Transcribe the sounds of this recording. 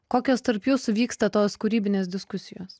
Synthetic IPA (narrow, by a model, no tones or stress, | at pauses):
koːkʲoːst̪ɐɾpjuːsʊʋʲiːkst̪ɐt̪oːskʊɾʲiːbʲɪnʲeːs̬d̪ʲɪskʊsʲɪjoːs